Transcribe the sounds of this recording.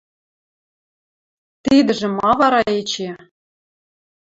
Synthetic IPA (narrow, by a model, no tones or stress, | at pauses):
t̪id̪ɘ̆ʒĕmɑβɑɾɑet͡ɕe